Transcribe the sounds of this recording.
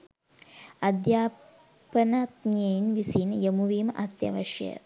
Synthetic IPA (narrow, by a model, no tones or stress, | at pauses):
ɐd̪jaː | pɐnɐt̪ɲejnʋisiːnjɐmuʋiːmɐ̰d̪jɐ̰ʋɐʃjɐ̰